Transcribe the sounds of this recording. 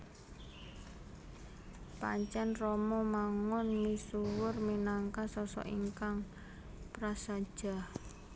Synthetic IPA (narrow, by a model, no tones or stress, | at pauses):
pa̰ɲt͡ʃɛnrɔmɔmaŋɔnmisuwʊrminaŋkasɔsɔ̰ʔiŋkaŋ | pɾasḁʒ̥a̤h